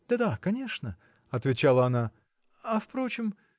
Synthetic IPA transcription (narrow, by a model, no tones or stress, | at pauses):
d̪̥ad̪akɐnʲe̞ʂnə | ɐt̪vʲɪt͡ɕalˠəɐna | ɐfpɾo̞t͡ɕɪm